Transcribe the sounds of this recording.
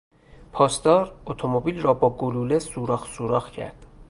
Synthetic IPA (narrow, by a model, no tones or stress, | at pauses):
pʰɒːsd̪ɒːɾot̪ʰomobiːlrɒːbɒːɡoluːlesuːɾɒːxsuːɾɒːxcʰæ̰ɾd̪̥